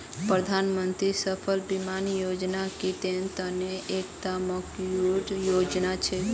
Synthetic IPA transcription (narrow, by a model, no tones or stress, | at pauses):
pɾəd̪ʱanmənt̪ɾisəpʰəlbimanjod͡ʒnakit̪ent̪əneʔekt̪aməkjoɖjod͡ʒnat͡ʃʰɛ